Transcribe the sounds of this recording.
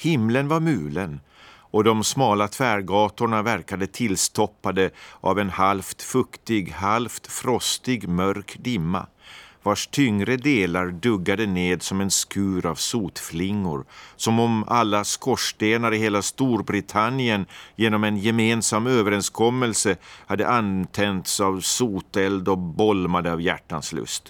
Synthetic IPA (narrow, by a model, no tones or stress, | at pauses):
hɪmlənvaɾmʉ̟ːlən | ɔd̪ɔmsmɑːlat̪ʰvæːɾɡɑːt̪ʊɳavæɾkad̪ət̪ʰɪlːst̪ʰɔpːad̪əʔa̰vɛnhalft̪fɵkt̪ɪɡhalft̪fɾɔst̪ɪɡmœɾkd̪ɪmːa̰ | vaʂt̪ʰʏŋɾəd̪eːlaɾɖɵɡːad̪əneːd̪sɔmɛnskʉ̟ːɾavsuːt̪flɪŋːʊ̰ɾsɔmɔmalːaskɔʂd̪eːnaɾɪheːlast̪uːɾbɾɪt̪ʰanːɪənjeːnɔmɛnjɛmeːnsamːøːvəɾɛnskʰɔmːəlsəhad̪ːə̰ʔant̪ʰɛnt̪savsuːt̪ɛld̪ɔbɔlmad̪əavjæ̰ʈːanslɵ̰st̪